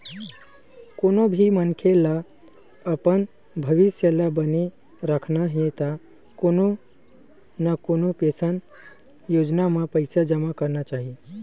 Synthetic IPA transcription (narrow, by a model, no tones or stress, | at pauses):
koːnobʱimənkʰela | əpən | bʱəʋisjəlabəne | ɾəkʰnaɦet̪a | kono | nakonopesən | joːd͡ʒnamepəɪsad͡ʒəmakəɾnat͡ʃaɦi